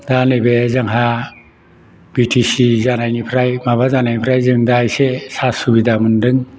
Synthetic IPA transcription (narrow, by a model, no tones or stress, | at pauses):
danɯjbezaŋɦa | bitʰisizanajnipʰɾajmaβazanajnipʰɾajzɯŋdaːjsesasubidamɯndɯŋ